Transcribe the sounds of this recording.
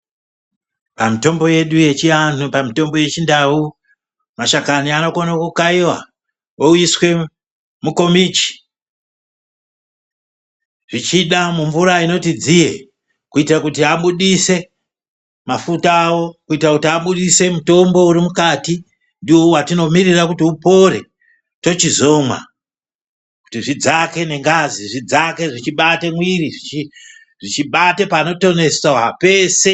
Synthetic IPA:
pamito̞mboje̞ɗuje̞t͡ʃiantupamito̞mbo̞je̞t͡ʃindau | maʃakaniano̞konakukaiwa̰ | ouiswe̞ | muko̞mit͡ʃi̥ | ʐit͡ʃiɗamuɱvuɾaino̞tid͡zijḛ | kuitirakutiaɓuɗise̞ | mafutaːwo̞kuitrakutiaɓuɗise̞muto̞mbo̞uɾimukaːti | ndiwowatino̞mirirakutiupo̞ɾe̞̰ | to̞t͡ʃizo̞mwa̰ | ku̥tiʐid͡zake̞ne̞ŋɡaziʐid͡zake̞ʐit͡ʃiɓatemwiriʐit͡ʃi | ʐit͡ʃiɓatepano̞to̞ne̞saape̞se̞

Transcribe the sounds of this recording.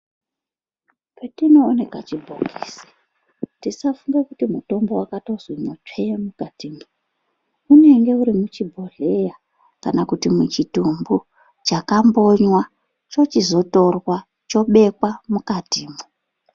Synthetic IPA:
petino̞ːne̞kat͡ʃibʱo̰ɡʰʱiːse̥ | tisafuŋɡekutimuto̞mbo̞wakato̞zwinot͡ʂejemukatimu | une̞ŋɡe̞uɾimut͡ʃibʱo̞ɮe̞ja | kanakutimwut͡ʃitumbu | t͡ʃakambo̞ɲwa | t͡ʃo̞t͡ʃizo̞to̞rwa | t͡ʃo̞ɓe̞kwamukatiːmu

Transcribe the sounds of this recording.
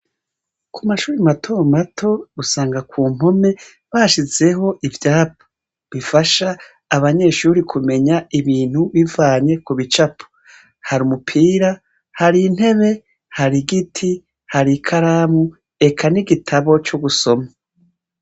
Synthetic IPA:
kʰumaʃuːɾimatʰomatʰo̞usaːŋɡakʰuːm̥o̞me̞ | βaʃize̞ɦo̞ʔivjaːp̚o̥ | βifaʃaː | βaɲe̞ʃuːɾikʰume̞ɲaiβiːn̥huβivaːɲe̞kuβit͡ʃapʰo̥ | haɾumupʰiːɾa | haɾin̥he̞βe̞ | haɾiɡitʰi | haɾikʰaɾaːmu | e̞kʰaniɡitʰaβo̞t͡ʃoɡuso̞ma

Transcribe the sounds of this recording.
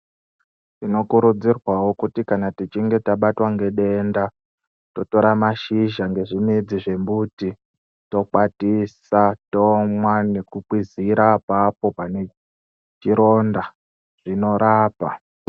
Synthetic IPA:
tino̞kuɾud͡zirwawo̞kutikanatit͡ʃiŋɡe̞taɓatwaŋɡe̞ɗe̞nda | to̞to̞ɾamaʃiʒaŋɡe̞ʐimid͡ziʐe̞mbuti | to̞k͡patisatomwane̞kukwiziɾapapo̞pane̞ | t͡ʃiɾo̞ːnda | ʐ̥ino̞ɾaːpa

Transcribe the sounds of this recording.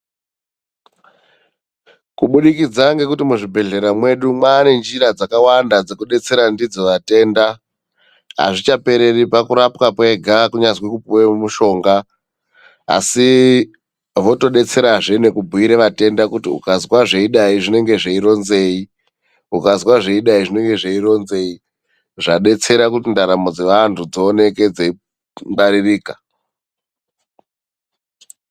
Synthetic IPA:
kuɓuɗikid͡zaŋɡe̞kutimuʐibʱe̞ɮe̞ɾamwe̞ɗumwaːne̞nd͡ʒiɾad͡zakawandad͡ze̞kuɗe̞t͡se̞ɾandid͡zoʋate̞ːnda | a̰ʐit͡ʃape̞ɾe̞ripakuɾapkapwe̞ɡʱakuɲazwikupuwemuʃo̞ːŋɡa | a̰si | ʋo̞to̞ɗe̞t͡se̞ɾaʐe̞ne̞kubʱuiɾeʋate̞ndakutiṵkazwaʐe̞iɗaiʐine̞ŋɡe̞ʐeiɾo̞nze̞ːi | ukazwaʐeiɗaiʐine̞ŋɡe̞ʐeiɾo̞nze̞i | ʐaɗe̞t͡se̞ɾakutindaɾamo̞d͡ze̞ʋantʰud͡zoːne̞ke̞d͡zei | mbaɾiriːka

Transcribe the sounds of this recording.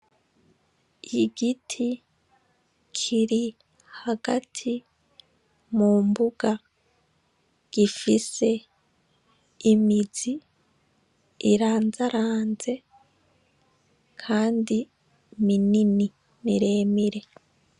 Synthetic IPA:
iɡitʰi | kʰiɾi | haɡatʰi | muːmbuɡ̥a | ɡ̥ifise̞ | imizi | ɾaːnzaɾaːnze̞ | kʰaːndi | minini | niɾe̞ːmiɾe̞

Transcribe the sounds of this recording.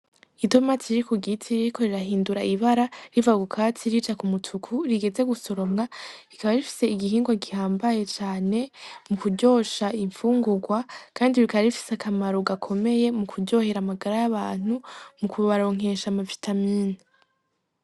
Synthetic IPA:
itomatiɾikuɡitʰiɾiɾikʰo̞ɾiɾaɦiːnduɾaiβaɾaɾivaɡukʰat͡siɾit͡ʃakumutʰukʰuɾiɡe̞ze̞ɡuso̞ɾo̞mŋaɾikaβaɾifi̥se̞iɡiɦiːŋɡwaɡihaːmbaje̞t͡ʃaːne̞mukuɟo̞ːʃaiɱfuːŋɡuɡwakʰaːndiβikaβaɾifi̥seakʰamaɾoɡakʰo̞me̞je̞mukʰudɟo̞he̞ɾamaɡaɾajaβaːn̥umukʰuβaɾo̞ŋ̥e̞ʃamavitʰamiːni

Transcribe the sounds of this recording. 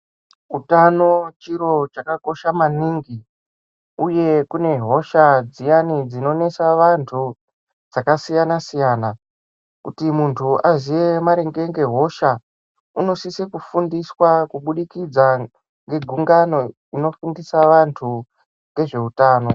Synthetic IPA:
utano̞t͡ʃiɾo̞t͡ʃakako̞ʃamaniːŋɡi | uje̞kune̞ɦo̞ʃad͡zijanid͡zino̞ne̞saʋantʰu | d͡zakasijanasijaːna | kutimuntʰuazije̞maɾeŋɡe̞ŋɡe̞ɦo̞ʃa | uno̞sisekufundiswakuɓuɗikid͡za | ŋɡe̞ɡʱuŋɡano̞ | ino̞fundisaʋantʰu | ŋɡe̞ʐe̞utaːno̞

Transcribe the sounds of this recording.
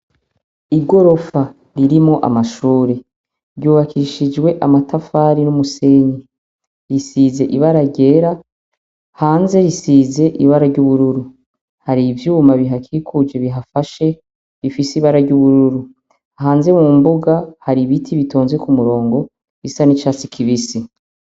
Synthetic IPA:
iɡo̞ɾo̞fa | ɾiɾimo̞ʔa̰maʃuːɾe̞ | ɾɟuːβakʰiʃid͡ʒwe̞ʔamatʰafaːɾinumuse̞ːɲi | ɾisiːze̞ʔiβaɾaɟe̞ːɾa | haːnze̞ɾisize̞ʔiβaɾaɾɟuβuɾuɾu | haɾivjuːmaβiɦakʰiːkʰud͡ʒe̞βiɦafaʃe̞ | ɾifisiβaɾaɾɟuβuɾuɾu | aɦaːnze̞mumbuɡahaɾiβitʰiβito̞ːnzwekumuɾo̞ːŋɡo̞ | isanit͡ʃaːt͡sikʰiβisi

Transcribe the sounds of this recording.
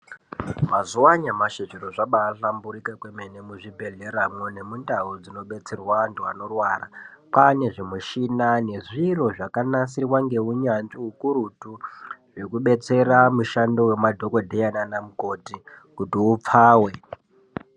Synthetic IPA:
mazuwaɲamaʃet͡ʃeɾoʐaɓaːɬambuɾikakwemenemuʐibʱe̞ɮe̞ɾamwone̞mundaud͡zino̞ɓe̞t͡se̞rwaːntua̰no̞rwara̰pane̞ʐimuʃinane̞ʐiro̞ʐakanasirwaŋɡe̞uɲand͡ziukuɾutuʐekuɓe̞t͡se̞ɾamuʃando̞we̞madʱo̞ko̞dʱejananamuko̞ti | kutiup͡faːwe̞

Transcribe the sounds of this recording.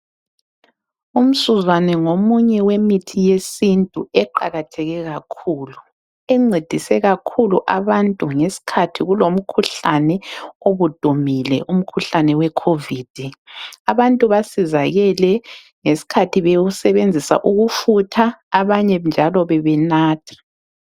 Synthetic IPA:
um̩suzwanɛŋomuɲɛwemitʰijesintʼuɛǃaɣatʰɛɣɛɣakʰuːlu | ɛŋ͡ǀʱed̥ʱisɛɣakʰuluʔaβantʼuŋesi̥kʰatʰiɣulom̩kʰuɬanɛoβud̥ʱumilɛ̰ʔum̩kʰuɬanɛwɛkʰovid̥ʱiaβantʼuβasizaɣɛlɛ | ŋesi̥kʰatʰiβeɣusɛβend͡zʱisa̰ʔuɣufutʰaːβaɲɛnd͡ʒʱalɔβɛβɛnaːtʰḁ

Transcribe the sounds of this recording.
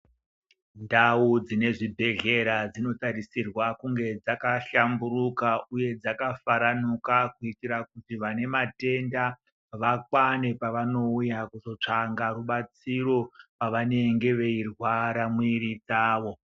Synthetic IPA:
ndaud͡zine̞ʐibʱe̞ɮe̞ɾad͡zino̞tarisirwakuŋɡe̞d͡zakaɬambuɾukauje̞d͡zakafaɾanukakuitiɾakutiʋane̞mate̞nda | ʋakwane̞paʋano̞ujakuzo̞t͡ʂaŋɡaruɓat͡siro̞paʋane̞ŋɡe̞ʋe̞irwaɾamwirid͡zaːʋo̞

